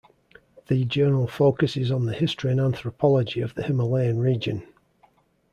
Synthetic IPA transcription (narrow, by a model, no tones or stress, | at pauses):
ðəd͡ʒɜːnəɹəlˠfoʊkəsɪzn̩ðəhɪstɹ̥iə̃nãnθɹəpʰɒlˠəd͡ʒɪəvðəhɪməleɪə̃nɹiːd͡ʒə̰̃n